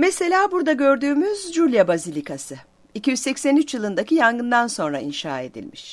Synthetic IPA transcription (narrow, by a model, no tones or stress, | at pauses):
mese̞lʲaːbuɾd̪aɟø̞ɾd̪yːmyzd͡ʒulʲjabazilʲikʰasɯ | icijyzsɛcsænyt͡ʃjɯlˠɯnd̪acʰijanɡɯnd̪anso̞nɾaḭnʃa̰ːe̞d̪ḭlʲmiʃ